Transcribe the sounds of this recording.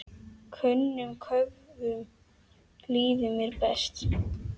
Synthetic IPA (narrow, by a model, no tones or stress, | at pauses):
kʰœnːʏmkʰœvðʏm | liːðʏmjɛɾpɛst̪